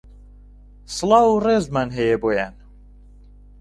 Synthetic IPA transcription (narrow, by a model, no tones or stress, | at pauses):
slɑːwurezmanɦejeboːjan